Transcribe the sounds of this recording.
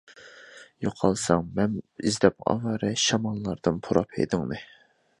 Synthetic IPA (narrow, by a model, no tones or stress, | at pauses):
joqʰɑlˠsɑŋmɛnizd̪ɛpɑ̰vɑɾɨʃɑmɑlˠːɑɾd̪̥ɨnpʰuɾɑphḛd̪ɪŋnɨ